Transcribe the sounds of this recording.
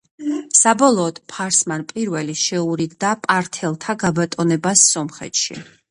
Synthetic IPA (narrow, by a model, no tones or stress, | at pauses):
sabɔlˠɔːd̪̥pʰaɾsmanpʼiɾvɛliʃɛuɾiɡd̪apʼaɾt̪ʰɛlˠt̪ʰaɡabat̪ʼɔnɛbasːɔmχɛ̰t̪ʃḭ